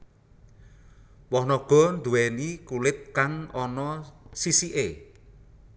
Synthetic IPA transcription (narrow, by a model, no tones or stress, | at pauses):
wɔhnɔɡ̥ɔ̤nd̪ṳwɛnikulɪt̪̚kaŋɔnɔsisiʔe